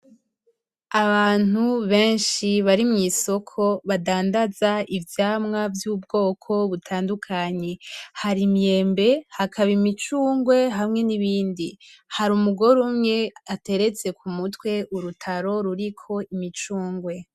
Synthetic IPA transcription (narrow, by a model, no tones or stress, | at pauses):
aβaːn̥uβe̞ːnʃiβaɾimŋiːso̞kʰo̞βadaːndazaivjaːmŋavjubɡo̞ːkʰo̞βutʰaːndukʰaɲe̞haɾimje̞ːmbe̞hakʰaβimit͡ʃuːŋɡwe̞ɦamŋe̞niβiːndihaɾumuɡo̞ɾumŋe̞ate̞ɾe̞t͡se̞kumutwe̞ʔuɾutʰaɾo̞ɾuɾikʰo̞imit͡ʃuːŋɡwe̞